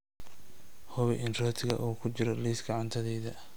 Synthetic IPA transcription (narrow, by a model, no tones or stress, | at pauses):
hɔβɛʔɪnrɔːt̪ʰɪɣɐ̰ʔuːkʰʊt͡ʃɪɾɔliːsɡɑʕɑnt̪ʰɐðɛːðɐ